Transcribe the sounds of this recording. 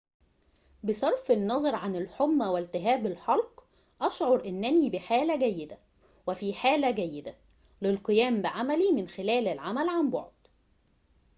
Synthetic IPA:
besˤɑɾˤfenːɑzˤɑɾˤʕanelħomːæwælt̪ɪɦæːbelħɑlq | ʔɑʃʕoɾˤʔɪnːæniːbɪħaːlæɡæjːɪd̪æ | wefiːħaːlæɡæjːɪd̪æ | lɪlqɨjæːmbɪʕamælimɪnxelæːlɪlʕamælʕambɑ̰ʕd̪̥

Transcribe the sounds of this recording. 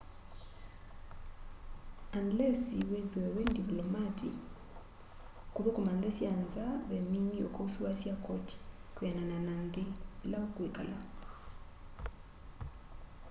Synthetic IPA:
andlɛsiweðɛwɛndiplɔmatḭ | koðokomandesjanzaβɛminiokɔusuwasjakɔti̥kwanananandelaokwekala

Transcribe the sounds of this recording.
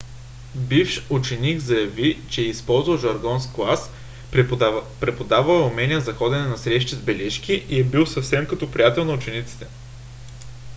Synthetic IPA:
bifʃut͡ʃɛniɡzɐjɐvit͡ʃɛispɔlˠzvɐlˠʒɐɾɡɔnsklˠas | pɾɛpod̪avɐlɛʊmɛniəzɐxɔd̪ɛnɛnɐsɾɛʃt̪izbɛlɛʃkiʔiɛbilˠsɐfsɛmkɐt̪ɔpɾijat̪ɛlˠnɐʊt͡ʃɛnit̪si̥t̪ɛ

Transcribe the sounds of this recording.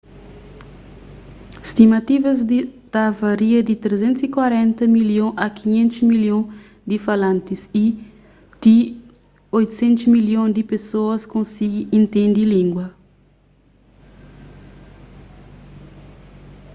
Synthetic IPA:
ist̪imɐt̪ivɐzd̪it̪avɐɾiɐd̪it̪ɾezẽnt̪sikwaɾɛ̃nt̪ɐmiljõʔɐkʰiɲẽnt̪usmiljõ | d̪ifalãnt̪isi | d̪̥i | ojt̪u̥sẽnt̪usmiljõd̪ipesoɐskõnsiɡiĩnt̪ẽnd̪ilĩŋɡwɐ

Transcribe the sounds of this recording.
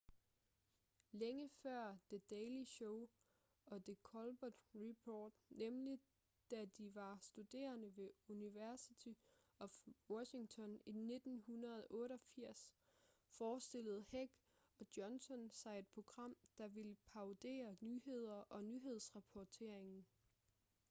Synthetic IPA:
leŋəfɶɐ̰d̥e̝d̥ɛːliɕɔʊ | ɒ̽d̥e̝kʰɒlb̥ɔd̥ʁipʰɔːd̥nemli | d̥æd̥iʋɑ̈sd̥ud̥e̝̰ːɐnəʋe̝uniʋæɐsit͡sʰi | ɒ̽wɒɕiŋt͡sʰɒ̽nine̝d̥n̩hunɐð̩ˠʔɔ̽ːɾɒ̽fiɐ̰sfɒːsd̥e̝ləð̞̩ˠheɡ̥ | ɒ̽d̥jɒ̽nsɒ̽nsɑ̈ɪed̥̚pʰʁo̝ɡ̥ʁɑ̈m̰d̥ɑ̈ʋiləpʰɑ̈ʊd̥e̝̰ːɐnyːhe̝ð̞̰ˠɐʔɒ̽nyːɦe̝ð̞̰ˠsʁɑpʰɒt͡sʰe̝ɐ̰e̝ŋn̩

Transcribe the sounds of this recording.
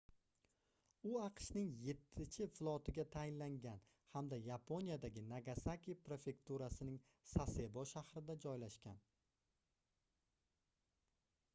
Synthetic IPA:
ʊɑqʃnɪŋje̞t̪ʰːɪt͡ʃʰɪflˠɒt̪ʰɪɡʲat̪ʰajɪnlaŋɡʲan | hamd̪ajapʰo̞nijad̪aɡʲɪnaɡasakʲijpɾe̞fe̞kt̪uɾasɪnɪŋ | sase̞bɒʃahɾɪd̪ad͡ʒɒjlaʃkʲan

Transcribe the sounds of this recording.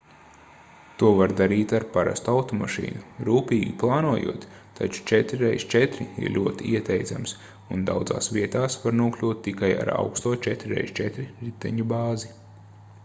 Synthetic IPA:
t̪uɔvaɾd̪aɾiːt̪aɾpaɾa̰st̪uawt̪ɔmaʃḭːnuɾuːpiːɡʲiplˠɑːnuɔjṵɔt̪ː | a̰t͡ʃu̥t͡ʃɛt̪ɾiɾɛjst͡ʃɛt̪ɾiḭɾlʲuɔt̪iiɛt̪ɛjd̪za̰ms | und̪a̰wd̪za̰ːsʋiɛt̪aːsvaɾnuɔklʲuːt̪̚ːikaja̰ɾa̰wkst̪uɔt͡ʃɛt̪ɾɾɛ̰jst͡ʃɛt̪ɾiɾit̪ːɛɲubaːzi

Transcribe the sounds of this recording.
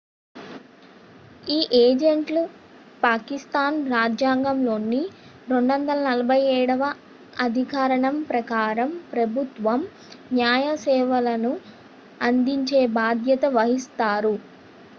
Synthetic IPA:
iːʔeːd͡ʒeɳʈlu | paːkist̪aːnɾaːd͡ʒjaːŋɡɐmlo̞ːnːi | ɾo̞ɳɖʋɐnd̪ɐlɐnɐlɐbʱɐjɛːɽɐʋɐ | ɐd̪ʱikaːɾɐɳɐmpɾɐkaːɾɐmpɾɐbʱut̪ʋɐm | njaːjɐsɛːʋɐlɐnu | ɐnd̪iɲt͡ʃe̞ːbaːd̪ʱjɐt̪ɐʋɐɦist̪aːɾu

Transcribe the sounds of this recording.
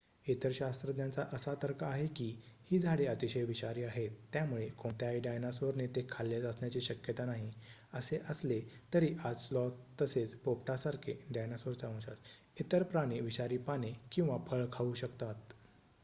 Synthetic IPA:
et̪əɾɕast̪ɾəd̪jat͡saʔəsat̪əɾkʰaaɦekiːhiːd͡zʱaɽeət̪iɕəjʋiɕaɾiːaɦet̪ːjamuɭekõnt̪jajɖajnasoɾnet̪ekʰalːet͡səsɳjat͡ɕiːɕəkjət̪anaɦiəseʔəslet̪əɾiːʔad͡zslɔt̪ːəset͡spop̚ʈasaɾkʰeɖajnasoɾt͡saə̃ɕa̰s | et̪əɾpɾaɽ̃iʋiɕaɾiːpanekĩw̃ʋapʰəɭkʰauɕəkt̪at̪̚

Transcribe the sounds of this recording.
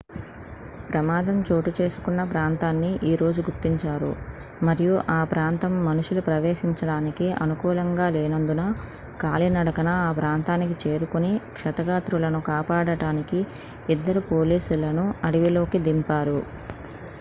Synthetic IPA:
pɾɐmaːd̪ɐmt͡ʃoːʈut͡ʃe̞ːsu̥kunːɐpɾaːnt̪aːnːiʔiːɾo̞ːd͡ʒuɡuɾt̪ːiɲt͡ʃaːɾṵ | mɐɾijuʔaːpɾaːnt̪ɐmːɐnuʂulupɾɐʋe̞ːʃiɲt͡ʃɐɽaːnikiɐ̰nukuːlɐŋɡaːleːnɐnd̪unɐ | kaːlinɐɽɐkɐnɐaːpɾaːnt̪aːnikit͡ʃe̞ːɾukunikʂɐt̪ɐɡaːt̪ɾulɐnukaːpaːɽɐʈaːniki | id̪ːɐɾupo̞ːliːsulɐnuɐɽiʋilo̞ːkid̪impaːɾu

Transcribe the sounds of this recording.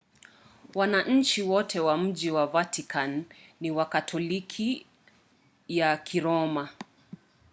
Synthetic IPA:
wanaʔɲ̩t͡ʃiwɔtʰɛwam̩d͡ʒiwavatikanːiwakatʰɔlikʰi | jakʰiɾɔma

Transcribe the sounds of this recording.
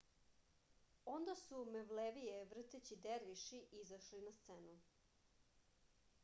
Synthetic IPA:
o̞nd̪asumeʋleʋijeʋr̩t̪et͡ɕid̪eɾʋiʃiʔizaʃlinast̪senu

